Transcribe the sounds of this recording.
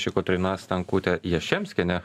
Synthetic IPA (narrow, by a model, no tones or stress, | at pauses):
ʃʲɪkot̪ɾʲɪnɑːsʲt̪ɐŋkuːt̪ʲɛjɛʃʲɛmʲsʲkʲɛnʲɛ